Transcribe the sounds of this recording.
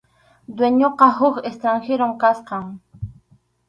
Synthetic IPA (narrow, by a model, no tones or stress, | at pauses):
d̪weɲoqɑɦʊkest̪ɾaŋxeɾomkasqɑŋ